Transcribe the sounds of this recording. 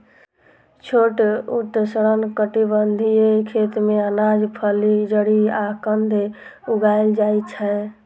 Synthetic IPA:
t͡ʃʰoʈut̪ːsəɾənkəʈibənd̪ʱiekʰet̪meənad͡ʒpʰəlid͡ʒəɽiakənd̪ʱe | uɡajld͡ʒajt͡ʃʰɛ

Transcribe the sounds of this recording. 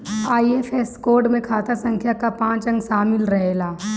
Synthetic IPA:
aːiefeskoːɾɖmẽkʰaːt̪asɐ̃ŋkʰjakapãːt͡ʃɐ̃ŋɡʃaːmɪlɾɐɦelaː

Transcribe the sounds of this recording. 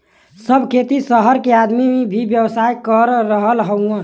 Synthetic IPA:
səbʱkʰet̪isəɦəɾkead̪mibʱibjəwsajkəɾɾəɦəlɦəwə̃

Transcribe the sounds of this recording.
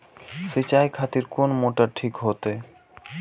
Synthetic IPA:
ʃet͡ɕajkʰat̪iɾkonmoʈaʈʰikɦot̪e

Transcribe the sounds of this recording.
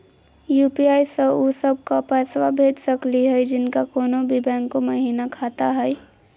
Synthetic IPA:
juːpiaːisəusəb̚ʱkapɛswabʱeːd͡ʒsəkliɦɛjd͡ʒɪnkakoːnobʱibɛ̃ːŋkːoməɦiːnakʰaːt̪aɦɛɛ

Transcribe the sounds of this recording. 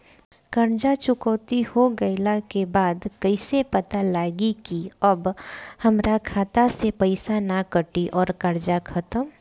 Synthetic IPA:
kɐɾd͡ʒat͡ʃʊkəːt̪ihoɡɐɪlakebaːd̪kəɪsepɐt̪alaːɡikiɐbhɐmɾakʰaːt̪asepɐɪsanakəʈiʔɔːɾkɐɾd͡ʒakʰɐt̪əm

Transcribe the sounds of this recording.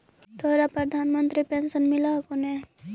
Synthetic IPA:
t̪ʰoːɾapɾɐd̪ʱaːnmə̃nt̪ɾipensənmɪlaɦkone

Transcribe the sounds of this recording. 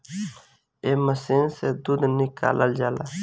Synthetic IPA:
eːməsiːnsed̪ud̪nɪka̰ːləld͡ʒaːla̰ː

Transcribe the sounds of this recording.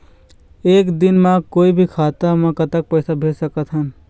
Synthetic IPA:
eːkd̪inmakoːibʱikʰaːt̪amãkət̪ək̚pəɪsabʱesəkət̪ɦən

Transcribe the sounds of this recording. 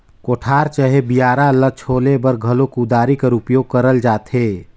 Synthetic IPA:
koʈʰaːɾt͡ʃəɦebijaːɾalət͡ʃʰoːlebəɾɡʱəlokud̪aːɾikəɾupjoːɡ̚kəɾəld͡ʒaːt̪e

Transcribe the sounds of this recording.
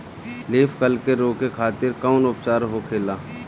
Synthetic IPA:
leːfkəlkeɾoːkekʰaːt̪ɪɾkaːnʊpt͡ʃaːɾɦokʰeːlaː

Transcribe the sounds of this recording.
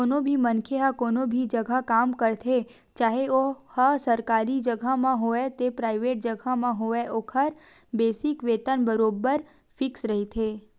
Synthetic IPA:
konobʱimənkʰeɦəkoːnobʱid͡ʒəɡʱakamkəɾt̪ʰe | t͡ʃaːɦeohəsəɾkaɾid͡ʒəɡʱamãɦoet̪epɾaiʋeːʈ̚d͡ʒəɡʱamãɦoeʔokʰəɾ | beːsɪkʋeːt̪ənbəɾoːbəɾ | fʰɪksɾəɦit̪ʰe

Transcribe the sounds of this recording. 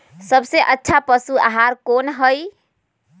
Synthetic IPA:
səbseʔətːʃʰapəsua̰ɦaɾkonɦəj

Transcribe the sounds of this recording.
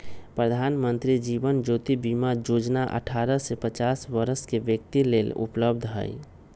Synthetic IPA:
pɾəd̪ʱaːnmə̃nt̪ɾid͡ʒiːbənd͡ʒoːt̪ibimad͡ʒoːd͡ʒnaʔə̰ʈʰaːɾəsepət͡ʃaːsʋəɾəskeʋjək̚t̪ileːlʊ̰pləb̚d̪ʱɦə̰j

